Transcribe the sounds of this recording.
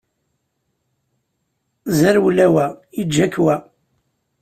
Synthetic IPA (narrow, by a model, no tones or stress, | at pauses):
zəɾwlæwæid͡ʒækːwæ